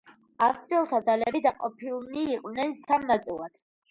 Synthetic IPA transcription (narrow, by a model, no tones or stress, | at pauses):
afst̪ʼɾiɔlˠt̪ʰad̪zalɛbid̪aqʼɔpʰilˠniːqʼnɛnsamnat̪sʼilˠad̪̥